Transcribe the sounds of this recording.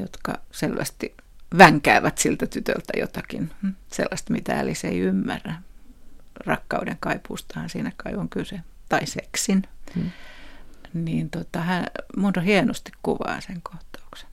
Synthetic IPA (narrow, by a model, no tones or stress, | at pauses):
jo̰t̪kɑ̰selʋæ̰st̪i | ʋæŋkæːʋæt̪silt̪æt̪yt̪ø̰lt̪æjo̰t̪ɑkḭnsḛlːɑst̪mit̪æ̰ːliseiymːærːæ | rɑkːɑudeŋkɑipust̪ɑhɑnsiːnækɑiʋoŋkylset̪ɑiseksin | niːnt̪ot̪ɑhæmuːt̪ɑhienost̪i̥kkuʋɑ̰ːseŋkoht̪ɑ̥ukse̥n